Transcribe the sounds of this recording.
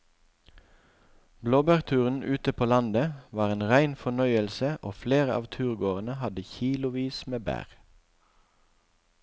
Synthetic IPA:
bloːbæʁt̪ʰʉːʁn̩ʉːt̪əpʰoːlɑnd̪əʋɑːʁeːnʁæɪnfɔnœʏəlsəʔoːfleːʁəʔɑ̰ːʋt̪ʰʉːʁɡoːʁənəhɑd̪əçiːlʊʋiːsmeːbæ̰ːʁ

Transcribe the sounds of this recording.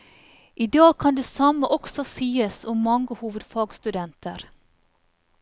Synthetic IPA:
ʔiːd̪ɑːɡ̚kʰɑnd̪eːsɑməʔɔksɔsiːəsʊmːɑŋɡəhuːʋəd̪fɑːɡst̪ʉd̪ɛnt̪əɾ

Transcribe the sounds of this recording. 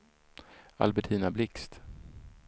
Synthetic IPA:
a̰lbɛʈʰiːnablɪkst̪

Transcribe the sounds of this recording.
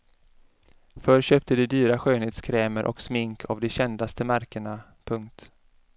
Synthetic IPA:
fœɾɕøːp̚t̪əd̪ɪd̪yːɾaɧøːnheːt̪skʰɾɛːməɾʔɔ̰ksmɪŋkʰa̰vd̪ɛɕɛnd̪ast̪əmaɾkəɳa | pʰɵŋk̚t̪

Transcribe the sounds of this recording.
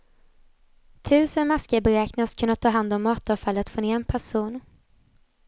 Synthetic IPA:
t̪ʰʉ̟ːsənmaskəbɛɾɛːknaskʰɵnːat̪ʰːɑːɦand̪ɔmːɑːt̪ɔːfalːət̪foːneːɛnpʰæʂuːn

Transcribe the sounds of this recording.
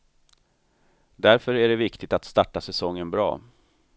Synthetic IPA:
d̪æɾfœɾæɖɛvɪkt̪ɪt̪at̪st̪ɑʈːasɛsɔŋːənbɾɑ̰ː

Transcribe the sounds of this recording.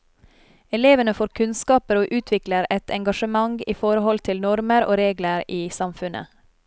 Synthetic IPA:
ɛleːʋənəfoːɾkʰʉnskɑːpəɾoːʔʉːt̪ʰʋɪkləɾɛt̪ʰɛŋɡɑʃəmɑŋiːfɔɾəhɔlt̪ʰɪlnɔɾməɾo̰ːɾeːɡləɾiːsɑmfʉnʔə̰

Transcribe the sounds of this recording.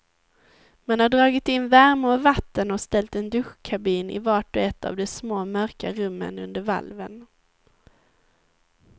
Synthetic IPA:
manhaɖɾɑːɡɪt̪ɪnːvæɾmʊɾvat̪ːənɔst̪ɛlt̪ɛnd̪ɵɧkʰabiːnɪ̰vɑːʈɔɛt̪ːa̰vd̪ɛsmoːmœɾkaɾɵmːə̰nɵ̰nd̪əɾva̰lvən

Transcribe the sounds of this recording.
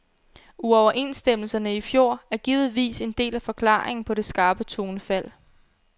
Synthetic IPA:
uɒʊɐʔe̝nsd̥em̰l̩sɐnəifjo̝ɐ̰æɐɡ̥iːʊð̩ˠʋḭːse̝nd̥e̝̰ːlæfɒ̽kʰlɑ̰̈ːeŋn̩pʰɒ̽ɾe̝sɡ̥ɑ̈ːb̥ət͡sʰo̝ːnfæl̰

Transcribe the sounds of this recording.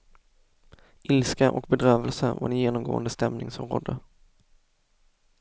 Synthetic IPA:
ʔɪlskaʔɔ̰kbɛd̪ɾœːvəlsəva̰ɖɛnjeːnɔmɡo̰ːənd̪əst̪ɛmnɪŋsɔmɾo̰ːd̪ə

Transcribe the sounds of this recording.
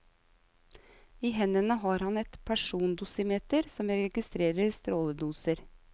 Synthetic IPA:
iːɦɛnənəɦɑːɾhɑnɛt̪pʰæʂuːnd̪uːsəmeːt̪əɾsɔmɾɛɡɪst̪ɾeːɾəɾst̪ɾoːləd̪uːsəɾ

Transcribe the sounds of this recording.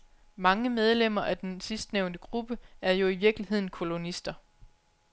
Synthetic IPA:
mɑ̈ŋəmeð̞ˠlem̰ɐʔæd̥ensisd̥neʊnd̥əɡ̥ʁub̥əæɐjo̝iʋiɐɡ̥liɦe̝ð̰ˠn̩kʰo̝lo̝nisd̥ɐ

